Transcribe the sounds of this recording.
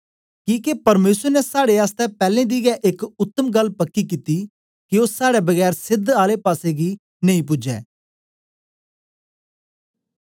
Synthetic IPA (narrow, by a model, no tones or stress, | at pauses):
kiːkepɐɾmeːsəɾnɛsaːɽeaːst̪ɛːpɛːlẽːd̪iːɡɛːʔɪkʊt̪ːəmɡɐlːpɐkːiːkiːt̪iː | kioːsaːɽɛːbəɡɛːɾsɪd̪aːlepaːseːɡiː | nəĩpʊd͡ʒɛ̰ː